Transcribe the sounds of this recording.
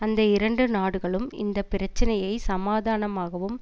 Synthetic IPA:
ɐnd̪ɐɪɾɐɳɖɯnaːɽɯɣɐɭɯmɪ̰nd̪ɐpɪɾɐt͡ʃːɐnɐjɐɪsɐmaːðaːnɐmaːɣɐʋɯm

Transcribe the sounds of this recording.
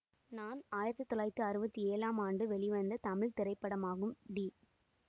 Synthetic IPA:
naːnaːjɪɾɐt̪ːɯt̪ːɔlaːɪɾt̪ːɯɐɾɯbɐt̪ːieːlaːmaːɳɖɯʋɛɭɪʋɐnd̪ɐt̪ɐmɪɭt̪ɪɾɐɪpːɐɽɐmaːɣɯmɖi

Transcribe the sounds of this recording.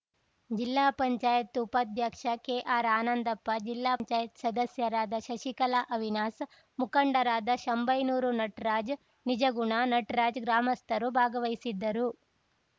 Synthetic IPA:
d͡ʒilːaːpɐɲt͡ʃaːjɐt̪ːupɐd̪ʱjaːkʂɐkeːʔaːɾaːnɐnd̪ɐpːɐd͡ʒilːaːɲt͡ʃaːjɐt̪sɐd̪ɐsjɐɾaːd̪ɐʃɐʃikɐlaʔɐʋinaːs | mukɐɳɖɐɾaːd̪ɐʃombɐjnuːɾunɐʈɾaːd͡ʒ | nid͡ʒɐɡuɳanɐʈɾaːd͡ʒɡɾaːmɐst̪ɐɾubʱaːɡɐʋɐjsid̪ːɐɾu

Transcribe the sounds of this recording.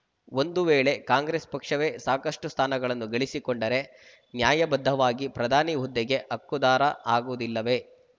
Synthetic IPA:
o̞nd̪uʋeːɭe̞kaːŋɡɾeːspɐkʂɐʋe̞saːkɐʂʈust̪ʰaːnɐɡɐɭɐnːuɡɐɭisikoɳɖɐɾe̞ | njaːjɐbɐd̪ʱːɐʋaːɡipɾɐd̪ʱaːniɦud̪ːɛɡe̞ʔɐkːud̪aːɾɐʔaːɡuʋud̪ilːɐʋe̞

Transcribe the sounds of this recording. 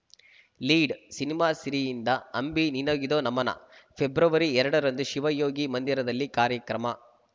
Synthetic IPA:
liːɖsinimaːsiɾijind̪ɐɐmbininɐɡid̪oːnɐmɐnɐ̰pʰebɾɐʋɐɾiɛɾɐɽɐɾɐnd̪uʃiʋɐjoːɡimɐnd̪iɾɐd̪ɐlːikaːɾjɐkɾɐmɐ

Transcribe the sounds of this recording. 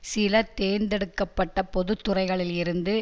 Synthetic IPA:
sɪlɐt̪eːnd̪ɛɽɯkːɐpːɐʈːɐpɔðɯt̪ːɯrɐɪɣɐɭɪlɪɾɯnd̪ɯ

